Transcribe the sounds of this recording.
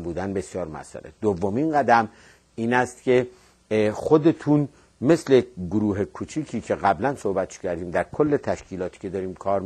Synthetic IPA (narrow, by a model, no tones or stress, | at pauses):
mbuːd̪ænbe̞sijɒːɾmæ̰sæ̰ɾed̪̥ovːominɢæd̪æm | iːnæst̪cʰe̞ | xod̪e̞t̪ʰuːn | me̞sleɡoɾuːɦekʰuːt͡ʃʰiːcʰiːcʰe̞ɣæblænsohbæt̪ʰʃcʰæɾd̪iːmd̪æɾkʰolːet̪ʰæʃcʰiːlɒːt̪ʰi̥ːcʰe̞d̪ɒːɾiːmkʰɒːɾm